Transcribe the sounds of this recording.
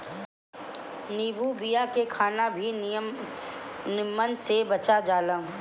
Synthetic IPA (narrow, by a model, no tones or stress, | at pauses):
niːbubijakekʰaːnabʱi | nɪmːənsebɐt͡ʃad͡ʒaːlə̃